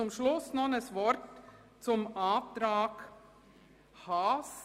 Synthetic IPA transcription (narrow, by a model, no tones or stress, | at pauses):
ʊmʃlʊsnɔnəsvɔɾt | t͡sʊmaːtɾaːk | has